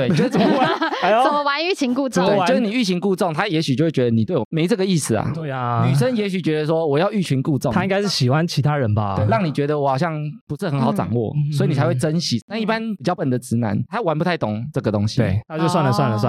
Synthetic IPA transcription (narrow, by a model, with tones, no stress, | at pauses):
we˥˩ɪt͡ɕʂ̩˥˩˨a˧˦˨ə˨m˦wa˧˦ny˥˩ɕi˧˥ŋku˥˧t͡sɔ˥˨twe˧˨o˥˧ʊʂɻ̩˥˩ni˨˩y˥˩ɕi˧˦ŋku˥˧t͡sɔ˥˩˨ŋt̪ʰa˥jɛ˧˥ɕy˨t͡ɕjo˥˧ʊwe˥˩t͡ɕɥɛ˧d̪ə˧ni˨t̪we˥˩ɪwɔ˨˩me˧˦ɪʈ͡ʂɤ˥˩ɡə˩i˥˩sɹ̩˨˩a̰˩e˥˩nny˨˩ʂ̬ə˦njɛ˧˦˥ɕy˨˩t͡ɕɥɛ˧˥d̪ə˧s̬wɔ˦wɔ˨˩jɑ˥˧ʊy˥˩t͡ɕʰy˧˥nku˥˧t͡sɔ˥˨a˦˥i˥ŋɡa˥ɪʂɻ̩˥˩ɕi˨˩xwa˦nt͡ɕʰi˧˥t̪ʰa˦ɻə˨˦nba̰˧we˩˧˩ɑ˥˩ŋni˨˩t͡ɕɥɛ˧˥d̪ə˧˨wɔ˦xɑ˨˩ʊɕjɑ˥˩ŋpu˧˥ʂɻ̩˥˩xə˧˥nxɑ˨˥ʊʈ͡ʂɑ̰˨˩ŋwɔ̰˥˨swɔ˧˥i˧ni˨t͡sʰa˧ɪwe˥˩ɪt͡sə˦˥nɕi˨˦t̪a˥˧ni˥˩pa˦npi˨˩t͡ɕjɑ˥˩ʊpə˨˩nd̪ə˩t͡sɹ̩˧˥na̰˧˦nt̪ʰa˦˥wa˧˥np̬u˧t̪ʰa˥˩ɪt̪ʊ˨˩˦ŋt͡sɤ˥˩ɡə˩t̪o˦˥ŋɕi˨e˥˩a˥˦t͡ɕjo˥˧swa˥˩nlə˨˩swa˥˩nlə˨swa̰˥˨